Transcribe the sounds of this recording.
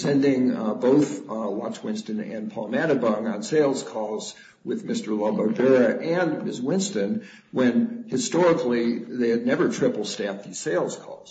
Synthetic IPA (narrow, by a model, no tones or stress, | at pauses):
sɛ̃ndɪ̃ŋboʊθwɑt͡ʃwɪ̃nstɨ̃nɨ̰̃npʰɔlˠmæɾɨbʌ̃ŋə̃nseɪlˠz̥kʰɔlˠz | wɪðmɪstə˞lɔbə˞bɛɹɨʔɨ̃nmɪswɪ̃nstɨ̃n | wɨ̃nhɨstɔɹəkliðeɪɨdⁿnɛvə˞tʰɹ̥ɪpl̩ˠstæfðiz̥seɪlˠz̥kʰɔ̰z̥